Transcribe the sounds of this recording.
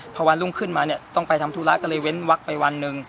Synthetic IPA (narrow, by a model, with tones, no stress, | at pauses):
pʰɔː˧wa˧nlu˥˩ŋkʰɯ˥˩nmaː˧ni˥˩ɐt̪ɔ˥˩ŋpa˧jt̪ʰa˧mt̪ʰuː˧la˦˥kɔː˥˩lɤː˧jwe˦˥nwa˦˥k̚pa˧jwa˧nːɯ˧ŋ